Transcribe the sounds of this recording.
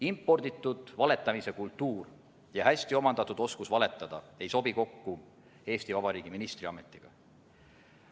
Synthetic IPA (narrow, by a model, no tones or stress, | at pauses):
impːˑo̞rd̪it̪ːˑud̪̥vɑle̞t̪ːˑɑmise̞kult̪ːˑuːr | jɑhæsʲt̪io̞mɑnd̪̥ɑt̪ːˑud̪̥o̞skusvɑle̞t̪ːˑɑd̪̥ɑe̞jso̞b̥iko̞kːu | e̞ːst̪ivɑb̥ɑɾiːɡ̥iminist̪riɑme̞t̪ːˑiɡ̥ɑ̰